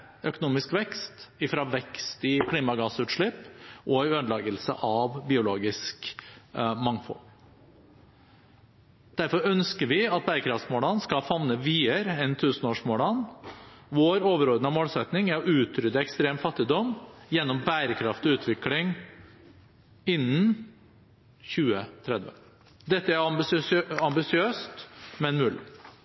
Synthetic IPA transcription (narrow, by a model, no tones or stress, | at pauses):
œkʊnuːmɪskʋɛkst̪ɪfɾɑːʋɛkst̪ɪkʰliːmɑɡɑːsʉːt̪ʂɭɪpʔɔɪønlɑːɡəlsə̰ʔɑʋbɪʊloːɡɪsk | mɑŋfɔ̰l | d̪̥æɾfɔɾœnskəɾʋɪɑt̪̚bæːɾəkʰɾɑft̪smoːlɑnskɑlfɑʋnəʋiːəɾəɛnt̪ʰʉːsnoːʂmoːlɑn | ʋoːɾoːʋəɾɔɾd̪nəmoːlsɛt̪nɪŋæɾɔʔʉːt̪ʰɾʏd̪əɛkst̪ɾeːmfɑt̪ːɪd̪ɔmjɛnːɔmbæːɾəkʰɾɑft̪ʉːt̪ʰʋɪklɪŋ | ɪnːn | çʉːət̪ʰɾɛd̪ʋə̰ | d̪ɛt̪ːəæɾɑmbɑmbɪsɪøːst̪mɛnmʉːlɪ̰